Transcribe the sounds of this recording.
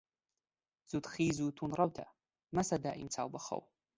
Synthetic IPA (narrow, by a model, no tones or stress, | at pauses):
z̥ut̪χiːzut̪ʰunrˤɐwtʰa̰ | masad̪aːʔḭmt͡sʰaːwbaχɐ̰w